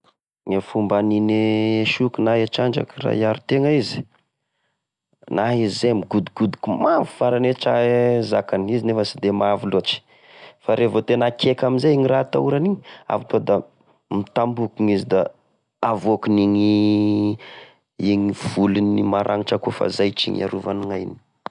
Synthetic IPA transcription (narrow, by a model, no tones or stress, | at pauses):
ŋefumbanineʃukunaɦeʈ͡ʂaɳd͡ʒa̰kira̰jaɾut̪eŋaizi̥ | naɦizizemiɡud̪uɡ̥ud̪u̥kumavufaɾaneʈ͡ʂazakanizinefəsid̪emaviloat͡ʃi̥ | faɾʔevot̪enakʰekaminzeiŋirat̪a̰uɾaniɲia̰vat̪od̪a | mit̪ambukiŋizid̪a | avokuniŋi | iŋiv̥ulinimaɾʔa̰ŋiʈ͡ʂakufa̰zajt͡ʃḭɲa̰ɾuvaniŋajni̥i̥